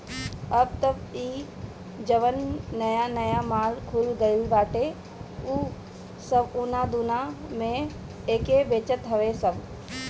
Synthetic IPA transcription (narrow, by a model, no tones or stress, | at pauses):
əb̚t̪əbiː | d͡ʒəʋənːəjanəjamaːlkʰʊlɡəilbaːʈe | uː | səbʊnad̪ʊnamẽ | eːkebeːt͡ʃət̪ɦɐʋesəb